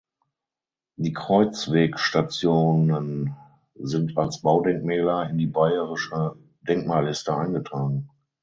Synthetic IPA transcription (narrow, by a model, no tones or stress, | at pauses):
diːkʁ̥ɔʏt͡sv̥eːkʃtat͡sjoːnən | zɪntʰalsb̥aʊdɛŋk̚mɛːlɐɪndiːbaɪəʁɪʃə | dɛŋkmaːlɪstəaɪnɡətʁ̥aːɡŋ̩